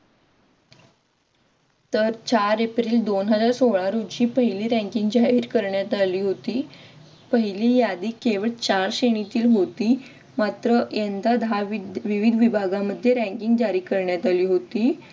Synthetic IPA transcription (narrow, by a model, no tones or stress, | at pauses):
t̪əɾt͡ɕaɾepɾiːld̪onɦəd͡zaɾsoɭãɾud͡ʑiːpəɦiliːɾɛ̃ŋkiŋɡd͡ʑaɦiːɾkəɾɳjat̪aliːɦot̪iː | pəɦiliːjad̪iːkeʋəɭt͡ɕaɾɕeɳ̃it̪iːlɦot̪iː | mat̪ɾəjent̪ad̪ʱaʋiʋid̪ʱʋibʱaɡaməd̪ʱːjeɾæ̃ŋkiŋɡd͡ʑaɾiːkəɾɳjat̪aliːɦot̪iː